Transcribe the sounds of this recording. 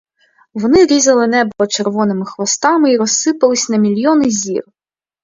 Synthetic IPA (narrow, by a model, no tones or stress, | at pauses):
vɔnɨɾʲizɐlˠɨnɛbɔɔt͡ʂɛrvɔnɨmɨxʋɔst̪amɨiɾɔsːɨpɐlˠɨsʲnɐmʲilʲjɔnɨzʲḭr